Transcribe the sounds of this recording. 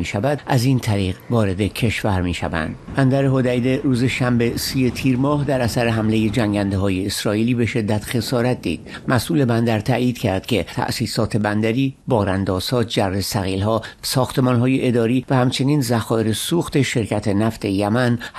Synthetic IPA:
miːʃævæd̪ʔæziːnt̪ʰæɾiːɣvɒːɾe̞d̪e̞cʰe̞ʃvæɾmiːʃæ̰væ̰nd̪̥bænd̪æɾeɦod̪æd̪eɾuːze̞ʃæmbesiːje̞t̪ʰiːɾmɒːhd̪æɾæsæɾeɦæmleje̞d͡ʒæŋɟænd̪eɦɒːje̞ːsɾɒːiːliːbe̞ʃe̞d̪ːæt̪xe̞sɒːɾæt̪̚d̪ḭːd̪̥ | mæsʔuːle̞bænd̪æɾt̪ʰæːʔjiːd̪̥cʰæɾd̪̥cʰe̞t̪ʰæ̰ʔsiːsɒːt̪ʰe̞bænd̪æɾiːbɒːɾænd̪ɒːz̥hɒːd͡ʒæresæɣiːlɦɒːsɒːxt̪e̞mɒːnɦɒːjeʔed̪ɒːɾiːvæhæmt͡ʃʰe̞niːnzæxɒːeɾesuːxt̪e̞ʃe̞ɾcʰæt̪ʰe̞næft̪ʰe̞jæmæn

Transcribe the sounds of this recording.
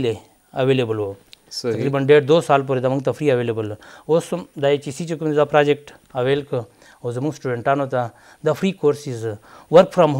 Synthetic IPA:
le | ɐʋeːlebəloːɐkɾibənɖeːʈd̪oːsaːlp̬oɾed̪ɐməŋɡt̪ɐfɾiːɐʋeːlebəlosd̪aet͡ʃisiːt͡ʃukumd̪apɾaːd͡ʒek̚ʈ | ɐʋeːlk | ozɐmuŋsʈuːɖeɳʈaːnot̪a | d̪ɐfɾiːkoːɾsizʋɐɾkfɾamɦ

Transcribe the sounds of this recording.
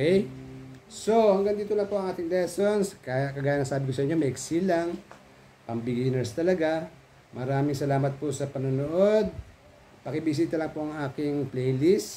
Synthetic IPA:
ɛj | so̞hɐŋɡaŋd̪iːt̪olɐŋpoɐŋʔaːt̪ɪŋlɛso̞nskajkɐɡaːjɐnɐŋsaːbɪkosɐʔɪɲːomɐʔɪksilaŋ | pɐmbɪɡinɛɾst̪ɐlɐɡa | mɐɾaːmɪŋsɐlaːmɐt̪̚posɐpɐnʊnoʔo̞d̪̚ | pɐkɪbɪs̬iːt̪ɐlɐŋpoʔɐŋaːkɪŋplɛjlis

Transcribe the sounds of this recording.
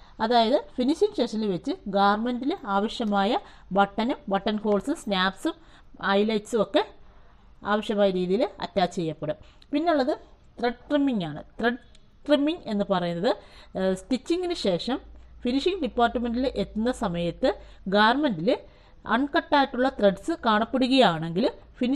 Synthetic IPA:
ɐðaːjɐðɨfiniʂiŋɕeːʂɐnilʋet͡ɕːɨɡaːʋɐrmendilaːʋɐʂjɐmaːjɐ | bɐʈːɐnumbɐʈːɐnho̞ːlsumsnaːpsum | ɐjlɐjʈsuo̞kːe̞ | aːʋɐʂjɐmaːjɐɾiːðijilɐ̰tːaːt͡ɕːt͡ɕe̞jːɐpːɐɽɨ | pinːeuɭːɐðɨ | t̪reɖkrimːiŋɡaːɳɨ̰t̪reɖ | ʈrimːiŋɡe̞nːɨpɐrɐjunːɐðɨsʈit͡ɕːiŋɡinɨɕe̞ːʂɐmfiniʂiŋɖipːaːrʈːɐme̞nɖilʔet̪ːunːɐsɐmɐjɐt̪ːɨ | ɡaːɐrmendil | ɐ̰ɳkɐʈːaːjiʈːuɭːɐt̪reɖsɨkaːɳɐpːeɽuɣɐjaːɳe̞ŋɡilfin

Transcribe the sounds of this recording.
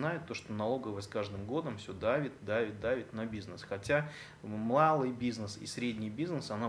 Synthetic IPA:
najɪt̪ːo̞ʂt̪onɐlˠo̞ɡəvətskaʐd̪ɨmɡo̞d̪əmfsʲɵd̪avʲɪt̪̚ʲd̪avʲɪt̪̚ʲd̪avʲɪt̪ʲnɐbʲiznəsxɐtʲa | mlˠalˠɨjbʲiznəsḭsɾʲedʲnʲɪjbʲiznəsɐna

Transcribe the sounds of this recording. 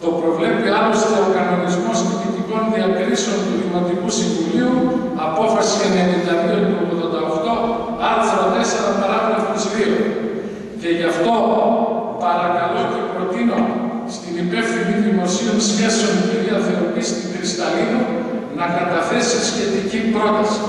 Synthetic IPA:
t̪o̞pɾo̞vle̞piɐlo̞st̪eoɾkɐno̞nizmospit̪it̪iko̞nðiɐkɾiseo̞nt̪ulimont̪ikusiɱvuliu | ɐpo̞fɐsienenilɐðiont̪uopoðond̪ɐoxt̪o̞ | ɐɾθɾɐt̪e̞seɾɐpɐɾɐɣɾɐst̪izðio | ce̞ʝɐft̪o̞ | pɐɾɐkɐlo̞ce̞pɾo̞t̪ino̞st̪inipe̞fθiniðimo̞sionsçe̞seo̞ntiðiɐθeɾopist̪ixɾist̪ɐlinu | nɐkɐt̪ɐθe̞sisçe̞t̪icipɾo̞t̪ɐsi̥

